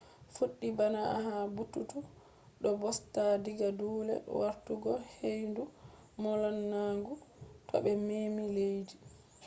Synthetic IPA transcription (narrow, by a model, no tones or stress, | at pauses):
fuɗːibanahabutːutu | ɗɔbɔstadiɡaduːlɛ̰waɾtuɡɔhejndu | mɔlanːaːŋɡutɔ̰bɛmeːmilejdi